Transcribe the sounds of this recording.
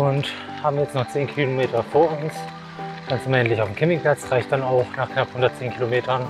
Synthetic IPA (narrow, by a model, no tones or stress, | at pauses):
ʔʊnt | haːbm̩jɛt͡stnɔχt͡seːnkʰilomeːtɐfoːɐʊns | ɡ̥ansmɛntlɪçaʊfm̩kʰɛmɪŋpl̥at͡sʁaɪçtd̥anaʊxnaːχknaphʊndɐt̚t͡seːnkʰilomeːtʰɐn